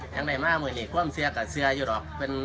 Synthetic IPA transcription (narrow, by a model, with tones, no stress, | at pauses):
ɲa˧ŋda˧˩jmaː˧˥˨muː˧˩˨niː˧˩kʰu˧˥˨msɯ˧ɐkaː˧˩sɯ˧ɐjuː˧˩dɔː˨˩k̚pe˧˨n